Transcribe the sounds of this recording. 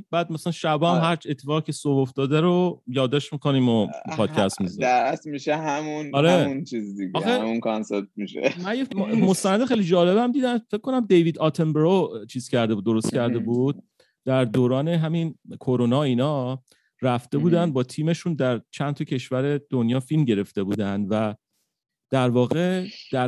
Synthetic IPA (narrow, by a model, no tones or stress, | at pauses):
bæːd̪̚mæsælænʃæbɒæmhæɾt͡ʃet̪ʰːefɒːʁcʰesoboft̪ɒːd̪æɾojɒːd̪ːɒːʃt̪miko̞niːmopʰɒːd̪̥cʰæst̪mizæɾæt̪miʃeɦæmunɒɾemunt͡ʃʰizd̪iɡɒehxeæmunkʰɑnseɾt̪̚miʃḛmænjemost̪ænæd̪exejlid͡ʒɒːle̞bæmd̪iːd̪ænfec̚ʰːo̞næmd̪e̞jvid̪ɒːt̪ʰembeɾot͡ʃʰiːz̥cʰæɾd̪e̞bud̪o̞ɾost̪̚cʰæɾd̪e̞buːd̪̥̚ | d̪̥æɾd̪oːɾɒːne̞ɦæminkʰoɾonɒːiːnɒː | ɾæft̪e̞buːd̪ænd̪̚bɒːt̪ʰiːme̞ʃuːnd̪æɾt͡ʃʰænt̪ʰɒcʰe̞ʃvæɾed̪̥onjɒːfilmɟe̞ɾe̞ft̪e̞buːd̪ænd̪væ | d̪̥æɾvɒːɣe̞d̪̥æ